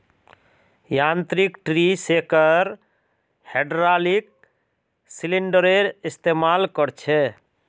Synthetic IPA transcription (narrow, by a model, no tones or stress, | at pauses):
jant̪ɾikʈɾisekəɾ | heɖɾalik̚ | siliɳɖəɾeɾist̪emalkəɾt͡ʃʰɛ